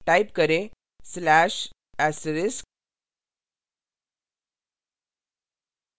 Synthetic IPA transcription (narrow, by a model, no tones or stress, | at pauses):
ʈaipkəɾe | slæɕ | æsəɾes